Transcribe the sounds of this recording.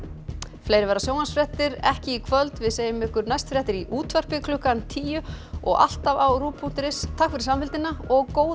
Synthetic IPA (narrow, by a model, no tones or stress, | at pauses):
flejɾɪvɛɾasjoːwmansfɾɛht̪ɪɾɛ̰hcɪikʰvœlt̪vɪðseːjɪmɪhkʏɾnajst̪fɾjɛht̪ɪɾiʔuːt̪ʰvɛr̥pɪkʰlʏkant̪ʰiːjʏɔ̰ɣa̰l̥t̪avawɾuːpʰut̪ɪɾɪst̪ʰakvɪɾɪ̥samfɪlt̪ɪnaɔɣkoːw